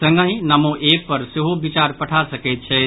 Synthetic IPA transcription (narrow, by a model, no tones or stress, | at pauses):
sə̃ŋɡə̃j̃nəmoʔepəɾseɦobit͡ʃaɾpəʈʰasəkɛt̪̚t͡ʃʰɛ